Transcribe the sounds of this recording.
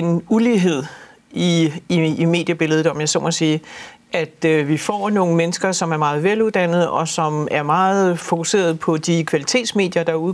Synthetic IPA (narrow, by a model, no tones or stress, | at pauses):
e̝nuliɦe̝ð̞̰ˠ | iː | me̝̰ːd̥jəb̥e̝ləð̞̩ˠɒ̽mjɑsɒmɒ̽siː | ʔæd̥ʋifɒ̰no̝ːŋ̩menəsɡ̥ɐsɒ̽mæɐmɑ̈ːð̞̩ˠʋeluðˠd̥æn̰ð̩ˠɒ̽sɒ̽mæɐmɑ̈ːð̩ˠfo̝kʰuse̝̰ːɐð̞ˠpʰɒ̽d̥ikʰʋælit͡sʰe̝̰ːd̥sme̝ːd̥jɐd̥ɑ̈uð